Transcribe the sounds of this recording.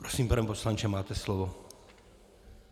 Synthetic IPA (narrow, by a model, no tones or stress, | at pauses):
pɾɔsiːmpɾɛmpɔslant͡ʃɛmaːt̪ɛslɔʋɔ